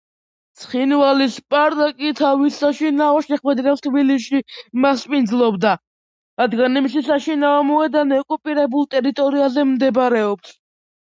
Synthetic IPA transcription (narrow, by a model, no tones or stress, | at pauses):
t̪sʰχinvalispʼaɾd̪akʼit̪ʰavisaʃinaɔʃɛχwɛd̪ɾɛst̪ʰbiliʃimaspʼind̪zlˠɔbd̪a | ɾad̪ɡanimiʃisaʃinaɔmɔɛd̪anɛkʼupʼiɾɛbulˠt̪ʼɛɾit̪ʼɔɾiazɛmd̪ɛbɾɛɔps